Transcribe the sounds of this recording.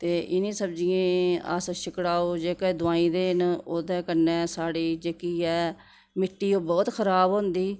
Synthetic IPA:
t̪eːʔɪnĩːsəbd͡ʒiẽːə̰sʃɪkɽaːoːd͡ʒeːkɛːd̪ʊaːĩːd̪eːnoːd̪ɛ̃ːkənɛ̃ːsaːɽiːd͡ʒeːkiːɛː | mɪʈːiːoːbɔːt̪kʰəɾaːbɦõːnd̪iː

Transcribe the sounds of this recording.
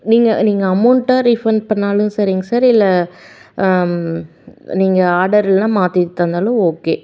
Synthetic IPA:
niːŋɡɐ̰niːŋɡɐɐmʊɳʈːaːɾɪfɐnpɐɳːaːlɯ̃sɐɾɪŋɡɐsaːɾɪlːɐ | niːŋɡɐaːɾɖɐɾɪlnãːmaːt̪it̪ːɐnd̪aːlʊ̃oːkeː

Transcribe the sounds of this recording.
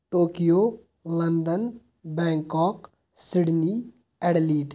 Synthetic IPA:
ʈoːkijo | lɐnd̪ən | bɛ̃ːŋkɔːk | siɽni | ɛɽliːʈ

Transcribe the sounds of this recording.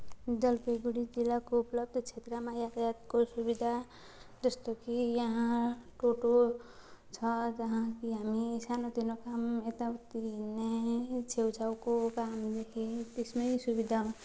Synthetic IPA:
d͡zʌlpeɡuɽid͡zilakouplʌb̚d̪ʱt͡sʰet̪ɾʌmãjat̪ajat̪kosubid̪ʱa | d͡zʌst̪okijʌɦãʈoʈo | t͡sʰʌd͡zʌɦãkiɦamisanod̪inokamet̪ʌt̪inet͡sʰewt͡sʰawkokamd̪ekʰit̪esmʌjsubid̪ʱaɦũ

